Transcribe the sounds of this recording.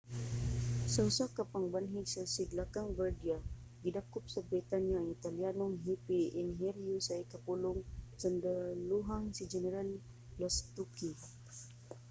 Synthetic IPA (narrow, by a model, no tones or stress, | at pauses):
sausakapaŋbanɦiɡsasiɡlakaŋbardia | ɡidakʊp̚sabɾit̪anjaŋit̪alianomɦipiːnɦiɾjusaikapulʊŋsandaluɦaŋsid͡ʒɛnɛɾalː | ast̪uki